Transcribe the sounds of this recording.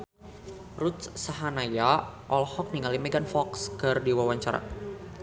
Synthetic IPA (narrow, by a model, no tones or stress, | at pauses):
rut̪̚ssaɦanajaʔɔlhɔk̚niŋalimeɡanfɔkskɨrdiwawaɲt͡ʃaɾa̰